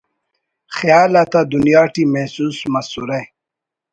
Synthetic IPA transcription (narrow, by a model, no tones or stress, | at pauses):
xijaːlat̪ad̪unjaːʈimehsusmɐsuɾe